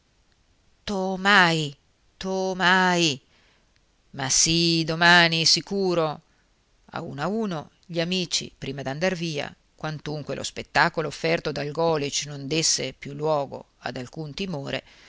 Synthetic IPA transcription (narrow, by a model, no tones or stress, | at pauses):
t̪omaj | t̪omaj | masid̪omaːnisikuːɾo | a̰ṵːnauːno | ʎiamiːt͡ʃḭpɾiːmad̪iand̪arviːa̰ | kwant̪uŋkwelʔo̰spet̪ːaːkoloːfːɛrt̪od̪alɡɔːlit͡ʃnond̪esːepjulːwɔːɡo̰ | a̰d̪alkunt̪imoːɾḛ